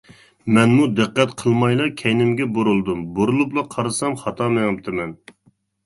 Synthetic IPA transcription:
mɛnmud̪ɨqːɛt̪qʰəlˠmɑjlˠɑkʲʰɛjnɪmɡʲɛboɾulˠd̪umboɾulˠuplˠɑqʰɑɾɨsɑmχɑt̪ʰɑmeŋɨp̚t̪ʰɨmɛn

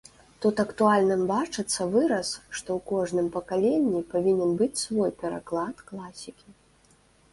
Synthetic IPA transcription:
t̪ut̪ɐkt̪ualʲnɨmbat͡ʂɨt̪sːɐvɨɾɐsʂt̪ɔwkɔʐnɨmpɐkalʲenʲːipavʲinʲɛmbɨt͡sʲsvɔjpʲɛɾa̰klˠat̪klˠasʲikʲi

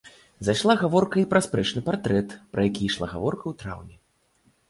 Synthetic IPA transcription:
zaʂlˠaɣavɔrkɐipɾɐspɾɛt͡ʂnɨpart̪ɾɛt̪pɾɐjakʲiːʂlˠa̰ɣa̰vɔrkɐwt̪ɾa̰wnʲɛ

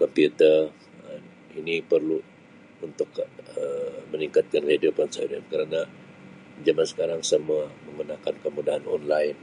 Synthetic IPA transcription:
kɔmpiut̪ər | inipərlu | unt̪ʊkəməniŋkat̪̚kankhidupansadamkəɾana | d͡ʒamansə̥kaɾaŋsəmuaməŋɡunakankəmudaɦanɔnlaɪn

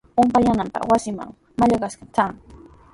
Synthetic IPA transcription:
ʊmpajanampɑ̰χwasɪma̰ŋ | maʎaɢaskat͡saŋ

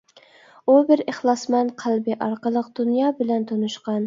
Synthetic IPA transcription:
ubɪɾeχlˠɑsmɛnqʰælˠbɪʔɑɾqəlˠəq̚d̪̥unjɑbɪlɛnt̪ʰonɨʃqɑn

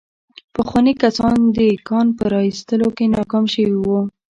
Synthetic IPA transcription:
pəxwɑnikasɑnd̪əikɑnpəɾɑist̪əlokenɑkɑmʃəwiwu

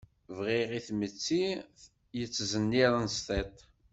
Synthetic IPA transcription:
vʁiʁiθmət͡sːi | jət͡sːzənːiɾˤənst̪ˤet̪ˤ

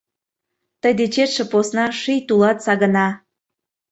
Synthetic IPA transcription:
t̪əjd̪et͡ɕet̪ʃĕposnɑʃijt̪ulɑt̪sɑɣə̆nɑ

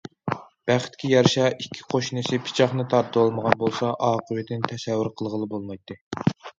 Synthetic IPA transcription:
b̥æχɪ̥t̪kʲʰijɑɾʃɑikʲʰːi̥qʰoʃnɨsɪpʰɪ̥t͡ʃʰɑχnɨt̪ʰɑɾt̪ʰːəolˠməʁɑnbolˠsɑʔɑːqʰəwɪd̪ʰɪnt̪ʰɛsɛvːɪɾqʰəlˠʁəlˠɨbolˠmɑjt̪ʰːɨ

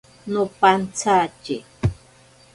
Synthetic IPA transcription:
nʊpant͡sat͡ʃi

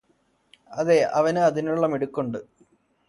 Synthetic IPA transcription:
ɐðe̞ʔɐʋɐnɨɐðinuɭːɐmeɽukːoɳɖɨ

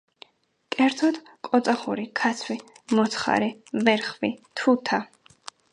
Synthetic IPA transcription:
kʼɛɾt̪ʰɔd̪ | kʼɔt̪sʼaχuɾikʰat̪sʰwi | mɔt̪sʰχa̰ɾivɛɾχvit̪ʰut̪ʰa

